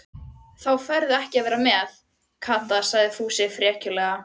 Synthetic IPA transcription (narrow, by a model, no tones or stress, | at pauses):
θawfœɾðʏɛhcɪavɛːɾamɛθ | kʰaːt̪asaɣðɪfuːsɪfɾjɛːcʏlɛɣa